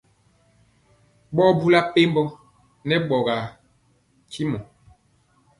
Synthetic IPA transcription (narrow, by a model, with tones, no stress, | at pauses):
ɓɔ˦bu˦la˦pe˦mbɔ˦ | nɛ˦ɓɔ˨ɣa˨ | kʰi˦mɔ˨